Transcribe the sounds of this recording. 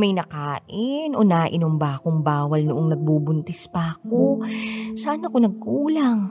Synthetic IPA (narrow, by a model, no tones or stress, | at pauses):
mɐjnɐkaːʔɪnʔonaːʔɪnoŋbaːkoŋbaːwɐlnʊʔoŋnɐɡ̚bubʊnt̪ɪspɐɐkosaːnɐɐko̞nɐɡ̚kuːlɐŋ